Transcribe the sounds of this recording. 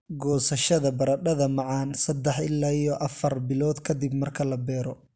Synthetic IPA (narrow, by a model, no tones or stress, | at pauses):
ɡɔːsɐʃɐðɐbɐɾɐɖɐðɐmɑʕɑːnsɐd̪ɛħɪlːaːijɔʔɐfɐrbɪlɔːd̪kʰɐd̪ɪbmɐrkʰɐlɐbɛːɾɔ